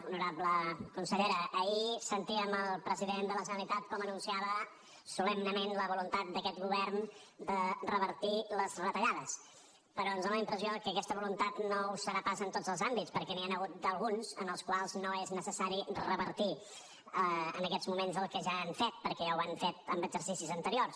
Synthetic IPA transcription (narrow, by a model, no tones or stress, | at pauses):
unuɾabləkunsəʎeɾəːisənt̪iəməlˠpɾəziðend̪ələʒənəlit̪at̪kɔmənunsiaβə | sulɛmnəmenləβulunt̪at̪̚d̪əkɛt̪ɣuβɛrn | d̪ərəβəɾt̪iləzrət̪əʎaðəs | pəɾɔənzðonləimpɾəziokəkɛst̪əβulunt̪at̪nousfəɾapazənt̪odd͡zəlˠzambitspəɾkɛnianəɣut̪̚d̪əlˠɣunzənəlˠskwalˠznoeznəsəsaɾirəβəɾt̪i | əə̰nəkɛzmumenzəlˠkəʒaːnfet̪̚pəɾkɛawaɱfet̪̚əmbəɡzəɾsisizənt̪əɾiors